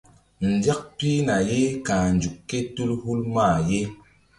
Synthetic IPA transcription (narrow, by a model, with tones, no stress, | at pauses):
n̩˨da˦k̚pi˦na˨je˦ka˨n˨d͡ʒu˨kːe˦tu˦lhu˦lmaː˦˨je˦